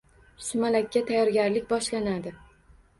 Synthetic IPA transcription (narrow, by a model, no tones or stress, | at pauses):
sʊmalakʲʰːat̪ʰajɒɾɡʲaɾlɪk̚ʲbɒʃlanad̪ɪ